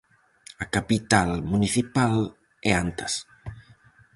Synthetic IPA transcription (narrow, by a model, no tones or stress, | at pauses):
akapit̪almuniθipal | ɛant̪ɐs